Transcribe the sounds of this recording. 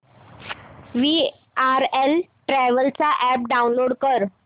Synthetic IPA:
ʋi | aɾelʈɾæʋəlt͡saʔæp̚ɖaunloɽkəɾ

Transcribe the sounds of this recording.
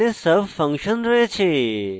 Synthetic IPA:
esəbfə̃ŋkʃənɾəɦet͡ʃʰe

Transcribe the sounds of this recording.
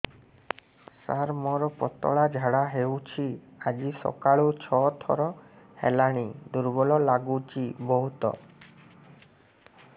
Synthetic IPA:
saɾmɔɾɔpɔt̪ɔ̰ɭad͡ʒʱaɽaɦewt͡ʃʰiad͡ʒisɔ̰kaɭut͡ʃʰɔt̪ʰɔ̰ɾɔ | helaɽ̃id̪uɾbɔlɔlaɡut͡ʃʰibɔɦut̪ɔ̰

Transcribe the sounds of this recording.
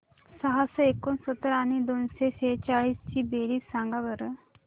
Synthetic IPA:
səɦasəekonsət̪ːəɾanid̪onseset͡ʃaɭiːst͡ɕibeɾiːsãŋɡaʋəɾ

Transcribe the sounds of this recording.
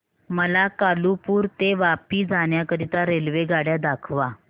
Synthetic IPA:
məlakalupuːɾt̪eʋapiːd͡zaɳ̃jakəɾit̪aɾelʋeɡaɽjad̪akʰʋa

